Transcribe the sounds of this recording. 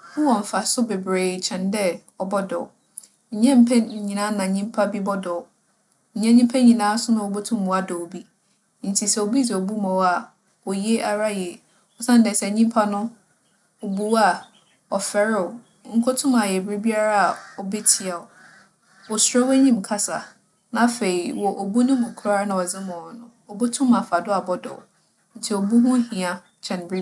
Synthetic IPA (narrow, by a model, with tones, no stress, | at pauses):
nʊ̃˦wɔ˨ɱ̩˨fa˨sʊ˦be˨bɾeː˨t͡ɕʰɛ̃˨ndɛ˦ | ɔ˨bɔ˦dɔ̰˨ɔ˨ | ɲ̩˨ɲɛ̃˦m̩˦pʰɛ˦˨ɲĩ˨nã˨˦nã˨ɲĩ˦m˦pʰa˦bi˦bɔ˦dɔ˨ | ɲɛ̃˦ɲĩ˦mpʰɛ˦ɲĩ˨nãː˨˦sʊ˦nʊ̃˦o˨bo˦tʰʊ̃˦mː˨ũ˨a˦dɔ˨o˨bi˦ | n̩˨tʰi˨sɛ˨o˨bi˦dɛ˨o˨bu˦mɔ̃˨˦a˨ | ɔ˨je˦ʔa˨ɾa˦jɛ˨ | ɔ˦sã˦n˦dɛ˨sɛ˨ɲĩ˦m˦pʰa˦nʊ̃˦ | o˨bu˦wa˦˨ | ɔ˨fɛ˨ɾɪ˦ɔ˨ | ŋ̩˦kʰʊ˦tʰʊ̃˦ma˨jɛ˨bɾi˦bi˦a˦ɾa˦a˨ɔ˨bɛ˦tʰi˨a˨ʊ˨ | wɔ˨sɾɔ˦wɛ˦ɲĩ˦m˨kʰa˦sa̰˨ | nã˦fe˨i˨wɔ˨ʔo˨bu˦nʊ̃˦mʊ̃˨kʰʊ˦ɾa˦nã˨ɔ˨d͡zɪ˦mɔ̃˨nʊ̃˦ | ɔ˨bʊ˦tʰʊ̃˦mã˨fa˨dʊ˦a˨bɔ˦dɔ̰˨w̰ | n̩˨tʰi˨o˨bu˦ɦʊ̃˦hĩ˨a˨ | t͡ɕʰɛ̃˨n˨bɾi˦